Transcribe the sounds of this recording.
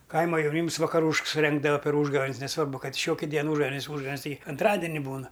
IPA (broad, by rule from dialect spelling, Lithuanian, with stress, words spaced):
ˈkɐɪmɐ jɛʊˈnʲiːms ʋɐkɐˈruːʃks sʊˈrʲɛŋɡdɐʋɐ pʲɛr ˈuːʒɡɐʋʲeːnʲs nʲɛˈsʋɐrbʊ ˈkɐt ɪ ˈʃʲoːkʲɪ ˈdʲiɛn ˈuːʒɡɐʋʲeːnʲɪs ˈuːʒɡɐʋʲeːnʲɪs ˈtʲɪɡʲɪ ɐnˈtrɑːdʲɪnʲɪ ˈbuːnɐ